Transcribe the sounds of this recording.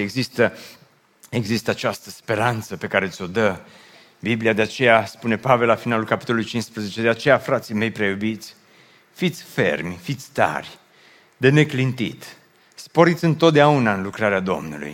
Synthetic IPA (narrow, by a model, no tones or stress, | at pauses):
eɡzist̪ə | e̞ɡzist̪əat͡ʃast̪ə̥spe̞ɾant̪səpe̞kaɾe̞ɨsʲo̞d̪ə | bibliad̪e̞at͡ʃe̞jaspune̞pave̞lafinalulkapi̥t̪o̞lolujt͡ʃinspɾəzet͡ʃe̞d̪eat͡ʃe̞jafɾat̪sime̞jpɾejubit̪sʲ | fit̪sʲfe̞̰rmʲfit̪sʲt̪a̰rʲ | d̪ene̞klint̪it̪ | spo̞ɾit̪sʲɨnt̪o̞t̪̚d̪eaunaɨnlukɾaɾead̪o̞̰mnṵlṵj